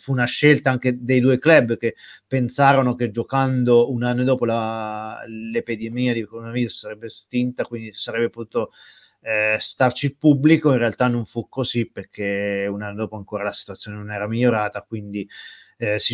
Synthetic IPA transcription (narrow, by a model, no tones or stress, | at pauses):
fuːnaʃːelt̪aaŋk̟ed̪ejd̪uːeklɛbːk̟epːensaːɾonoked͡ʒːokand̪ounanːod̪ɔːpola | lepid̪emiːad̪ikoonaviːzossaɾɛbːest̪int̪akwind̪isaɾɛbːepot̪uːt̪o | st̪art͡ʃiilpubːlikoinrealt̪anːoɱfukːoziperkʰeunanːod̪ɔːpoaŋkoːɾalasi̥t̪wat̪sːjoːnenonɛːɾamiʎːoɾaːt̪akwind̪i | si